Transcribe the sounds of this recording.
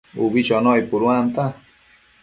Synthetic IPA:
ṵbit͡ʃonojpʊɾwant̪a

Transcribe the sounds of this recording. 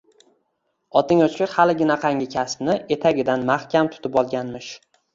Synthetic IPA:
ɒt̪ʰɪŋɒt͡ʃkʲɪɾhalɪɡʲɪnaqʰɑŋʲɪkʲʰaspnɪʔe̞t̪ʰaɡʲɪd̪anmahkʲamt̪ʰʊ̥t̪ʰɪpɒlˠɡʲanmɪʃ

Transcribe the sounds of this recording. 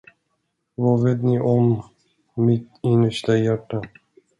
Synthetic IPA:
vɑveːt̪nɪʔɔmː | ɪt̪ɪnːəʂʈajæʈːa

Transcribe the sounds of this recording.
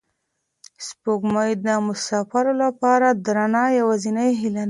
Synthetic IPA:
spoɡmajd̪əmʊsɑfaɾolapɑɾad̪ɾanɑjawazinəjɦilan

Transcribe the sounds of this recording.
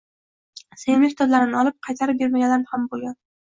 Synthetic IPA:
senɪmehʲt̪ʰɒd̪laɾɪnɪɒlˠɪp̚qʰɑjt̪ʰaɾɪp̚be̞ɾmaɡʲad̪anhambolˠɡʲan

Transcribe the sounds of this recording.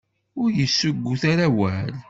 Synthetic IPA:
ʊɾjəsːəɡʷːuθaɾæwæl

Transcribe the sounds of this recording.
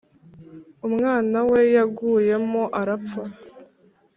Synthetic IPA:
umŋaːnawe̞jaɡuːje̞mo̞ʔaɾafa

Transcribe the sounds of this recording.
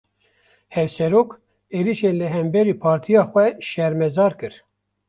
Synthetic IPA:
hɛvsɛɾoːk | eːɾiʃeːnlɨɦɛmbɛɾiːpʰɑːɾt̪ʰijɑːxʷɛʃɛɾmɛzɑːɾkɨɾ

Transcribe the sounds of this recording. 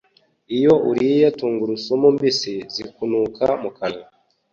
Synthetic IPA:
ijo̞ʔuɾijatuːŋɡuɾusomumbisizikunukʰamukana

